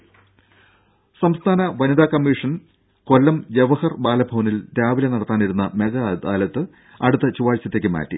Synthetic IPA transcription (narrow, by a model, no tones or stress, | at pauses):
sɐmst̪ʰaːnɐʋɐnid̪aːkɐmːiːʂɐn | ko̞lːɐmjeʋɐhɐrbaːlɐbʱɐʋɐnild̪jaːʋilɐnɐɽɐt̪ːaːniɾunːɐmeɡɐd̪aːlɐt̪ːɨ | ɐɽut̪ːɐt͡ɕuʋaːɻt͡ɕːɐt̪ːeːkːɨma̰ːtːḭ